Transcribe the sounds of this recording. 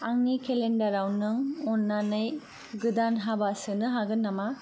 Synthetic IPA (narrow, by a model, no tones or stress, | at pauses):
aŋnikelendɐɾawnɯŋɔnːanɯj | ɡɯdanɦabasɯnɯɦaɡɯnːama